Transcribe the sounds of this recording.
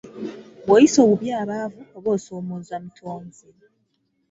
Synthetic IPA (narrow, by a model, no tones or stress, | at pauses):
βwajiso̞ːβuβjaːɾaːvuoβo̞ːso̞ːmoːzamitʰoːɲzi